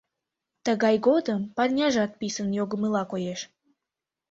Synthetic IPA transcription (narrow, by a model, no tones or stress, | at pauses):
t̪əɣɑjɣod̪əmpɑrnʲɑʒɑt̪̚pisənjoɣəməlɑkojeʃ